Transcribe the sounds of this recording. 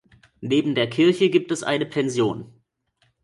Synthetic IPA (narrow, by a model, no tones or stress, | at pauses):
neːbm̩deːɐkʰɪɐçəɡiːp̚tɛsʔa̰ɪnəpʰɛnzjoːn